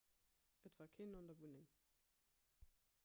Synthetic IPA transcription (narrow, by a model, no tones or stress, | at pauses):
ətv̥aːkʰenɔndɐvunɪŋ